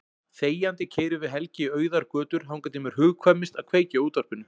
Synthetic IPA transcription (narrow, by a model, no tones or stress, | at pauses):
θeːjant̪ɪcʰeːjɾʏvɪðɦɛlcɪœːɥðaɾkœːt̪ʏɾ̥ɦawŋkajt̪ɪmɛɾ̥ɦʏːɣkʰvɛmːɪst̪aðkʰveːjcauːt̪ar̥pɪnːʏ